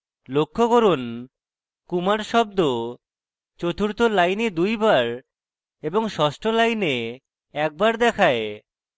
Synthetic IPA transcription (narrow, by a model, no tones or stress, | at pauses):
lokʰːoɡoɾon | kumaɾʃɔbd̪o | t͡ɕot̪ʰuɾt̪olajned̪ujbaɾ | eboŋʃɔʃʈolajne | ɛk̚baɾd̪ɛkʰae